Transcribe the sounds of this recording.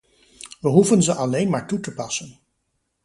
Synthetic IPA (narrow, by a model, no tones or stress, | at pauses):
ʋəɦuvənzəʔɑlejnmaːɹtutəpɑsən